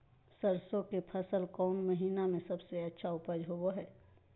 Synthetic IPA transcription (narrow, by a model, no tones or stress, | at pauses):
səɾsõkepʰɐsəlkɔːnməɦiːnamẽsɐbseɐtːʃʰaʊpəd͡ʒɦoboɦɛː